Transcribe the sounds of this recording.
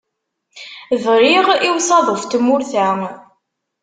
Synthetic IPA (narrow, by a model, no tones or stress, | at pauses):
ðɾiʁiwsɑðˤəft̪əmːʊɾθæ